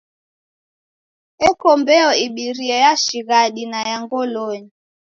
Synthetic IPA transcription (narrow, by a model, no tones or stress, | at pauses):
ɛkɔmbɛɔiɓiɾiɛjaʃiɣaɗinajaŋɡɔloɲi